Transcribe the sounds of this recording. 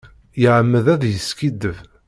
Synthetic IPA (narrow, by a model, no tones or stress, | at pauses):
jəʕəmːəðæðjəskid̪əv